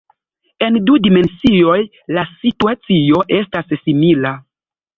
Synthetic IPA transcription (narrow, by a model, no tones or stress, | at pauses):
e̞ndudime̞nsio̞j | lasituat͡sio̞ʔe̞stassimila